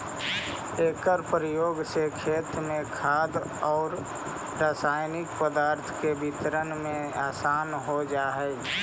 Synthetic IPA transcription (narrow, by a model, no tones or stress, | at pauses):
eːkəɾpɾəjoːɡsekʰeːt̪mẽkʰaːd̪ | ɔːɾ | ɾaːsaːɪnɪkpəd̪aːɾt̪ʰkebɪt̪ɾənmẽaːsaːnɦod͡ʒaːɦɛːɡ